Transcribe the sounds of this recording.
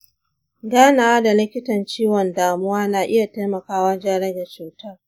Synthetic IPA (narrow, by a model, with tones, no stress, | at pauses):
ɡaː˦naː˨wa˦da˨lɪ˦kʲɪ˦tɐ˨nt͡ʃiː˦wɔ˨ndaː˨mʊ˦waː˦naː˨ʔɪ˦ja˨ta˦jmɐ˨kaː˦waː˦d͡ʒa˦ɽɐ˦ɡa˨t͡ʃuː˨tɐ˦r